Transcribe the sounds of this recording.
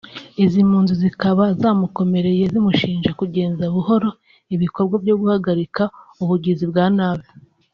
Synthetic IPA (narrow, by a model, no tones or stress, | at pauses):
izimuːnzuzikaβazaːmuko̞me̞ɾe̞je̞zimuʃiːnʒakuɟe̞ːnzaβuho̞ɾo̞ | iβiko̞ɾɡwavjo̞ɡuhaɡaɾikauβuɟizibɡaːnaːβe